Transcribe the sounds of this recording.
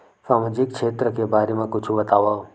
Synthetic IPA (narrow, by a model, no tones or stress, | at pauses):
saːmad͡ʒɪk̚kʃʰeːt̪ɾəkebaːɾemãkʊt͡ʃʰũbət̪aʋao